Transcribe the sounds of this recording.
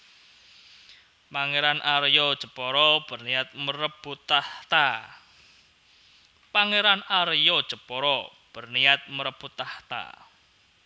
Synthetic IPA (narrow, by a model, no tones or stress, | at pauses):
paŋeɾanʔaɾjɔ̥ʒ̥ə̤pɔɾɔb̥ərnijat̪̚məɾəb̥ut̪at̪a | paŋeɾanaɾjɔd̥ʒ̥ə̤pɔɾɔ | b̥ə̤rnijat̪̚məɾəb̥ut̪aht̪a̰